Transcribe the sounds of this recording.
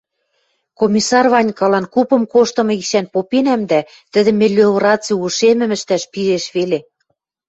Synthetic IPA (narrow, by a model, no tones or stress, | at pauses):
komʲisɑrβɑnʲkɑlɑnkupɤ̆mkoʃt̪ɤ̆mɤ̆iʃænpopenæmd̪æ | t̪ə̆d̪ɘ̆mĕlʲeorɑt͡siuʃemɘ̆mə̆ʃt̪æʃpiɾeʃβele